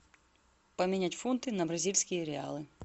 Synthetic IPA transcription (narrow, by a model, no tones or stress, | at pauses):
pɔmʲinʲatʲfunt̪ɪnɐbɾɐzʲilʲsʲkʲijɾʲea̰lˠɪ